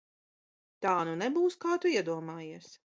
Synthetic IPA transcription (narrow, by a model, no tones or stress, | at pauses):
t̪aːnunɛbuːskaːt̪uiɛd̪uɔmaːjiɛs